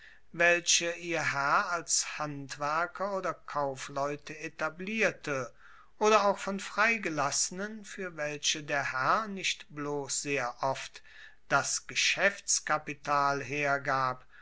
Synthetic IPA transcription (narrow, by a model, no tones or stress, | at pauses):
vɛlʃəʔiːɐɦɛɐalshantv̥æɐkʰɐoːdɐkʰaʊflɔʏtʰəetabliːɐtʰə | ʔoːdɐaʊxfɔnfʁ̥aɪɡəlasənənfyːɐvɛlɕədeːɐhɛɐnɪʃtb̥loːsz̥eːɐʔɔft | d̥asɡ̥əʃɛft͡skapitaːlɦeːɐɡaːp